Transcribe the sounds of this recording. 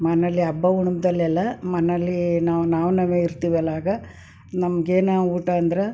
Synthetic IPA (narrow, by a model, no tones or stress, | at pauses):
mɐnɐlːiɐbːɐɡuɳumd̪ɐlːɛlːɐmɐnɐlːinaːʋnaːʋnɐmeiɾt̪iːʋɐlaːɡɐ | nɐmɐɡeːnɐuːʈɐːnd̪ɾe